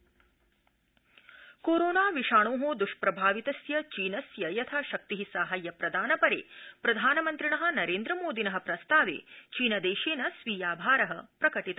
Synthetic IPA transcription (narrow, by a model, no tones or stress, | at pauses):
koːɾoːnaːʋiʂaːɳoːɦod̪uʂpɾɐbʱaːʋit̪ɐsjɐt͡ʃiːnɐsjɐjɐt̪ʰaːʃɐk̚t̪iɦisaːɦajːɐpɾɐd̪ʱaːnɐpɐɾḛːpɾɐd̪ʱaːnɐmɐnt̪ɾiɳɐɦɐ̆nɐɾeːnd̪ɾɐmoːd̪ʱinɐɦɐpɾɐst̪ʰaːʋḛːt͡ʃiːnɐd̪eːʃeːnɐsʋiːjaːbʱaːɾɐɦɐpɾɐkɐʈit̪a